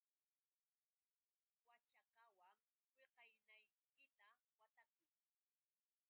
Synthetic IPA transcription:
wat͡ʃɑqɑwaŋ | weqɑjnaj | kɪt̪awat̪akʊj

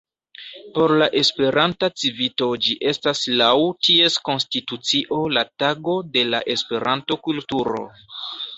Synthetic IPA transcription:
po̞ɾlaʔe̞spe̞ɾantat͡sivito̞d͡ʒiʔe̞staslawtʰie̞sko̞nstitut͡siʔo̞lataɡo̞de̞la̰ʔe̞spe̞ɾʔanto̞kultuɾo̞̰

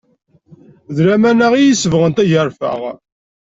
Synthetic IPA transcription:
ðɾæmænaʁijisəvʁənt̪æʝəɾˤfə̰ʁ

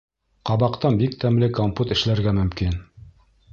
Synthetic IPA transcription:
qɑβɑqt̪ɑnbikt̪ʰæmlɘkomput̪ɘ̆ʃlæɾɡæmɵ̆mkin

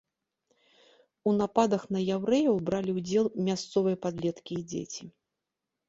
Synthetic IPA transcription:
unapad̪ɐxnɐjawɾɛjɐwbɾalʲiwd͡zʲɛlˠmʲast̪sɔvɨjɐpad̪lʲɛt̪kʲiːd͡zʲḛt͡sʲi

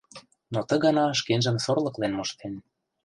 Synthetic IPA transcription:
not̪ə̆ɣɑnɑʃ̬kenʒə̆msorlɤ̆klenmoʃt̪en

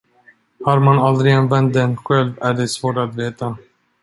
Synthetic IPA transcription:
haɾmanald̪ɾɪɡɛnvɛnt̪̚d̪ɛnɧɛlvæɖɛsvoːʈat̪veːt̪a

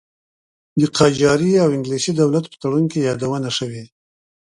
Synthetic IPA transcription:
d̪əqʰɑd͡ʒɑɾiawɪŋɡlisid̪awlat̪̚pə̥t̪aɽunkejɑd̪awənaʃəwi

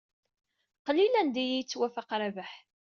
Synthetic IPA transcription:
qlilænd̪ijijt͡sːwæfaqɾavaħ

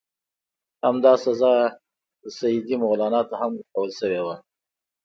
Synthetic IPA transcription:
hamd̪ɑsazɑ | əsajid̪imʊɣlɑnɑt̪ohamʊkawəlʃəwewa

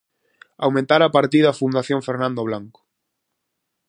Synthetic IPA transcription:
awmẽnt̪aɾapaɾt̪iðːfund̪aθjõɱfeɾnãnd̪oβ̞laŋkʊ̥

